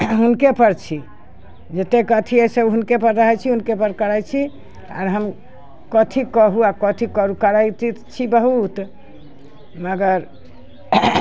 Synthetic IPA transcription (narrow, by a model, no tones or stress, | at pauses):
ɦunkepəɾt͡ʃʰi | d͡ʒet̪ekət̪ʰiesebɦunkepəɾɾəɦɛt͡ʃʰiɦunkepəɾkəɾajt͡ʃʰi | a̰ɾɦəm | kət̪ʰikəɦuakɔt̪ʰikəɾukəɾajt̪it͡ʃʰibəɦut̪ | məɡəɾ